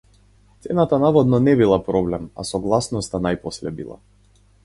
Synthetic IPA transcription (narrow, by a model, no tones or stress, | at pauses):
t̪sɛnat̪anavɔd̪nɔnɛbilˠapɾɔblɛma̰sɔɡlˠasnɔst̪anajpɔslɛbḭlˠa̰